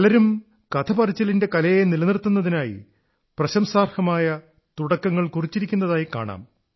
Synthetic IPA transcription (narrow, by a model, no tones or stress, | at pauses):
ɐlɐɾum | kɐt̪ʰɐpɐrit͡ɕːɐlinde̞kɐlɐjenilɐnirt̪ːunːɐðinaːjḭ | prɐɕɐmsaːrhɐmaːjɐ | t̪uɽɐkːɐŋːɐɭkurit͡ɕːiɾikʲːunːɐðaːjika̰ːɳa̰ːm